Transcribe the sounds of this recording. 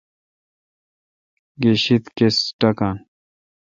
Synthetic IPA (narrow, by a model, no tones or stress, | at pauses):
ɡeɕit̪kesʈɐkaːn